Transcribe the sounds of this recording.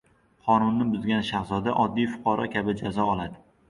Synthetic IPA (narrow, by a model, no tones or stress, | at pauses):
qʰɒnʊnːɪbʊzɡʲanʃahzɒd̪aʔɒd̪ːijfʊ̥qʰɑɾɒkʲabɪd͡ʒazɒɒlˠad̪ɪ